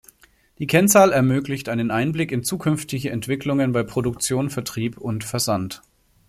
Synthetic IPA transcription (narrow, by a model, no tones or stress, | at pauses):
d̥iːkʰɛnt͡saːlɛɐmøːklɪçtʔaɪnənʔaɪnblɪkɪnt͡suːkʰʏnftɪçəʔɛntv̥ɪklʊŋənbaɪpʁ̥odʊk̚t͡sjoːnfɛɐtʁ̥iːpʊntfɛɐzant